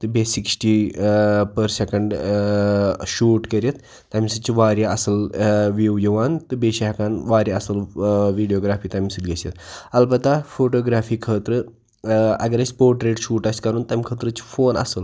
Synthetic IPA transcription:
t̪ɨbesiksʈi | pəɾsekəɳɖ | ʃuːʈkəɾʲjet̪ː | ɐmisɨt͡ʃiʋaːɾjaɐsɐlʋiwjiʋaːnt̪ɨbeʃiɦkaːnʋaːɾjaɐsɐlʋiːɖijoɡɾaːfiːt̪ɐmisɨɡesɐt̪ɐlpɐt̪afoːʈoːɡɾaːfiːkʰəːt̪ɾɨ | ɐ̰ɡəɾɐsʲpoːɾʈɾeːʈʃuːʈɐsʲkɐɾuːnt̪ɐmʲkʰəːt̪ɾət͡ʃi̥foːnɐ̰səl

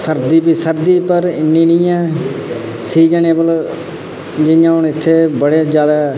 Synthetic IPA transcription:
səɾd̪iːpiːsəɾd̪iːpəɾɪnːiːnĩːɛ̃ː | siːd͡ʒəneːbəl | d͡ʒɪjãːɦʊɳɪt̪ʰːeːbəɽeːd͡ʒjaːd̪aː

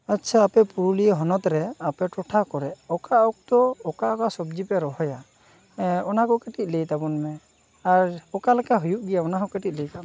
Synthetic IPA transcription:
ətːt͡ʃʰaːpɛpuɾulijɦɔnɔt̪ɾɛapɛʈɔʈʰakɔɾɛɔkaʔɔk̚t̪ɔɔkaʔɔkasɔb̚d͡ʒipɛɾɔɦɔja | ɔnakɔkɛʈit̪̚ˀlejt̪abɔnmɛ | aɾɔkalɛkaɦujuʔɡɛjaɔnakɔkɛʈit̪̚lɛjt̪a

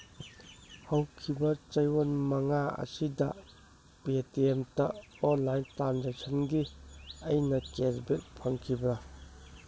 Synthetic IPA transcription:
hɐwkʰibɐt͡ʃɐjwonmɐŋaɐ̰sidɐ̰ | petiemtɐ | ɔnlajntɾanzek̚sʰɐnɡiɐjnɐkezbet̚pʰɐŋkʰibɾɐ

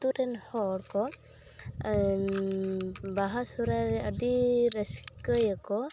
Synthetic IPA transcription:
t̪uɾɛnhɔɽkɔ | baɦasuɾaɾɛədiɾəsi̥kəjakɔ

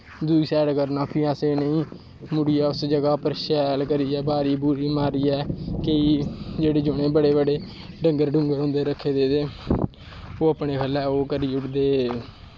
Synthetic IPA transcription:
d̪uːisɛːɽkəɾnaːpʰiːaːseːnəĩː | mʊɽiːɛːʊsd͡ʒəɡaːpəɾʃɛːlkəɾiːɛːbaːɾiːbuːɾiːmaːɾiːɛːkeiːd͡ʒeːɽeːd͡ʒʊɽ̃eːbəɽeːbəɖeː | ɖəŋɡəɾɖʊ̃ŋɡəɾɦõːnd̪eːɾəkʰːeːd̪eːd̪eː | oːəpɳeːkʰəlɛːoːkəɾiːʊʈʰd̪eː

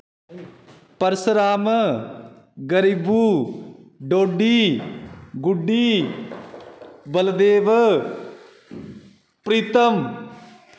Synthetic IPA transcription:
pəɾsɾaːm | ɡəɾibuː | ɖoːɖiː | ɡʊɖiː | bəld̪eːʋ | pɾiːt̪əm

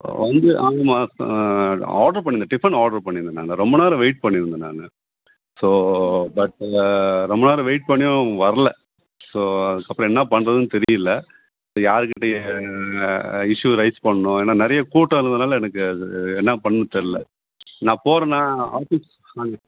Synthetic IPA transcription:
ʋɐnd̪ɯʔaːŋɡɐmaː | aːɖɐɾp̬ɐɳːɪnd̪ɐɖɪfɐɳaːɽɐɾpɐɳːɪɾnd̪ɯna̰ːŋɡɐɾɔmbɐnaːɾɐ̃ʋeːʈ̚pɐɳːɪɾɯnd̪ɯna̰ːŋɡɐ | soːbɐʈ | ɾɔmbɐnaːɾɯ̃ʋeːʈ̚pɐɳːɪjõʋɐɾɐlɛ | soːɐðɯkːɐpːɾɔ̃ɛnːɐpɐɳːɾɐðɯnɯt̪ɛɾɪjɪlːɐ | ɐsjaːɾɯkːɪʈːe | ɪʂuɾɐɪspɐɳːɐnʊ̃eːnːaːnɛɾɐjɐkuːʈːɐ̃ɪɾɯnd̪ɯnaːlɛnɐkːɯɛnːɐpɐɳːɯ̃t̪ːɐɾɯlɐ | nãːpoːɾɐnãːaːfis | aːŋɡɐ

